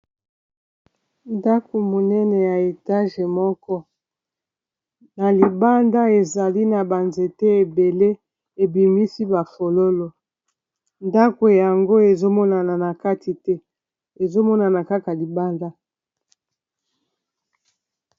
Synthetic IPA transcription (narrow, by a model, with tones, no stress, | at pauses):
nda˦ko˨mo˨nɛ˦nɛ˨ja˨e˨ta˦ʒe˨mɔ˦kɔ˦ | na˨li˨ba˦nda˦e˨za˨li˦na˨ba˨nze˨tɛ˦e˨be˨le˦ | e˨bi˨mi˦si˦ba˨fo˨lo˦lo˨ | nda˦ko˨ja˨ŋɡo˦e˨zo˦mɔ˦na˨na˨na˨ka˦ti˨tɛ˦ | e˨zo˦mɔ˦na˨na˨ka˦ka˨li˨ba˦nda˦